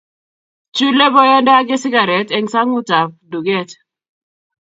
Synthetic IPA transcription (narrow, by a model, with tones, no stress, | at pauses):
t͡ʃu˦le˦bɔ˦jɛ˦ndɔ˦a˦kɪ˦sɪ˦ɡa˨ɾɛ˨tɛ˨ŋsa˦ŋu˦ta˨p̚du˨ɡɛ˦˨t